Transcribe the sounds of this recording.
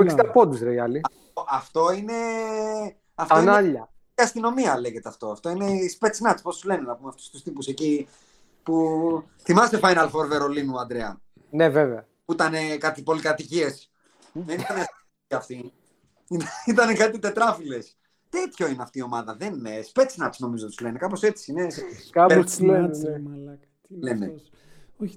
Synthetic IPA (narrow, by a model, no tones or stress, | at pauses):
oist̪ɐpod̪uzɾeiɐliɐft̪oʔɐft̪o̞ine̞ | ɐftoinɐʎɐ | ɐst̪ino̞miɐle̞ʝet̪eɐft̪o̞ɐft̪o̞ine̞ispe̞t͡snɐt̪spo̞st̪uzle̞nenɐpumeɐft̪u̥st̪ust̪ipuse̞ci | pu | θimɐst̪efɐjnɐlfoɾveɾo̞linuɐnd̪ɾeɐ̰ | neveveɐ | puit̪ɐne̞kɐt̪ipo̞likɐt̪icie̞s | ðenit̪ɐneɐs | iɐft̪i | init̪ɐne̞kɐt̪it̪e̞t̪ɾɐfile̞s | t̪e̞t̪ço̞ineɐft̪iːo̞mɐðɐðeniespe̞t͡snɐt̪sno̞mizot̪szle̞nekɐpo̞se̞t͡siineskapeel | lene | o